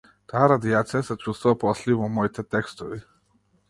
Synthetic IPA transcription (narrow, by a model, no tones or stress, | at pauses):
t̪aaɾad̪iat̪sijasɛt͡ʃust̪vuvapɔslivɔmɔit̪ɛt̪ɛkst̪ovi